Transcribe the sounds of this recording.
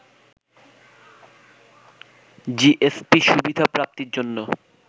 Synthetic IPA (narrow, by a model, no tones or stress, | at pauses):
d͡ʑiʔespiʃubid̪ʱapɾap̚t̪iɾd͡ʑonːo